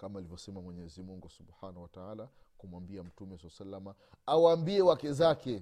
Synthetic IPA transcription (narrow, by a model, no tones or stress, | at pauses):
kamaːlivjɔsɛmamwɛɲɛzimuŋɡusubħaːnahuwataaːla | kumwambiam̩tumɛsalasalːama | awaːmbiɛwakɛzakɛ